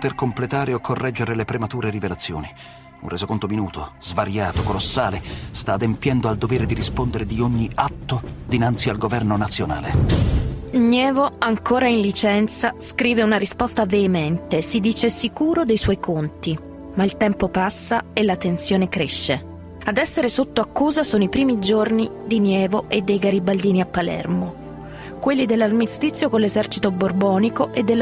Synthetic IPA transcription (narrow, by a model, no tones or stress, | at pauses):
pt̪erkomplet̪aːɾeokʰːorːʔɛd͡ʒːeɾelepɾemat̪uːɾeɾivelat̪sːjo̰ːni | ṵnrezokont̪ominuːt̪ozvaɾjaːt̪okolosːaːlest̪aːd̪empjɛnd̪oald̪oveːɾed̪iɾispond̪eɾed̪ioɲːiat̪ːod̪inant̪sialɡovɛrnonat̪sːjona̰ːle | ɲɛːvoaŋkoːɾainlit͡ʃɛnt̪saskɾiːveunaɾispɔst̪aveːmɛnt̪esid̪iːt͡ʃesikuːɾod̪ejswɔjkʰont̪i | mailt̪ɛmpopasːaelːat̪ent̪sjoːnekɾeʃːe | ad̪ɛsːeɾesot̪ːoakːuːzasoːnoipɾiːmid͡ʒornid̪injɛːvoʔed̪ːejɡaɾibald̪iːniapːalɛ̰rmo | kwelːid̪elːarmist̪it̪sːjokonlːezɛrt͡ʃit̪oborbɔːnikoʔed̪ːelː